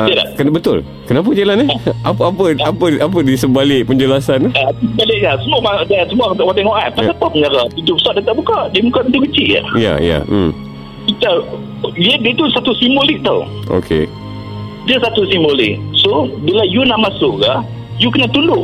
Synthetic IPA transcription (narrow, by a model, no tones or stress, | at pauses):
əəda̰kənbət̪ʊ̰l | kənap̬əd͡ʒelanɛhʔapapəapəʔapədisəbalɪʔ̚pəɲd͡ʒəlasanaisəbalɪʔ̚kasəmuamadasəmuat̪ʔwat̪eŋɔʔa̰t̪̚paap̪ahpəɲaɾat̪it̪ubəsɔʔ̚diat̪aʔbukaʔdiəmukat̪̚int̪ukət͡ʃiʔa̰ja̰ja̰ | it̪a | iədət̪usat̪usimbolɪk̚t̪awʔo̰kʰḛ | diəsat̪usimbolɪ̰k̚sobilajunaʔmasʊʔkah | jukənat̪undʊʔ